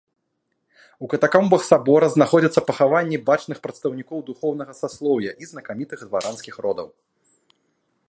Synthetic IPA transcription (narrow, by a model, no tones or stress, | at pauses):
ukɐt̪akɔmbɐxsabɔɾɐznaxɔd͡zʲɐt̪sːɐpɐxavanʲːibat͡ʂnɨxpɾɐt̪st̪ɐwnʲikɔwd̪uxɔwnɐɣɐsaslˠɔwjɐʔiznɐkamʲit̪ɨxd̪vaɾʔanskʲixɾɔd̪ɐ̰w